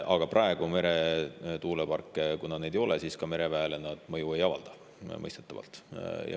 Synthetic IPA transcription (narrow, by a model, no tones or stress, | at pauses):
ʔɑɡ̥ɑprʔɑe̞ɡ̥ume̞ɾe̞t̪uːlepɑrkːˑekunɑne̞d̪ejo̞lesiːskɑme̞ɾe̞væelenɑd̪̥mɤjuejɑvɑld̪̥ɑ̥ | mɤ̰jst̪et̪ːˑɑvɑ̰lt̪jɑ̰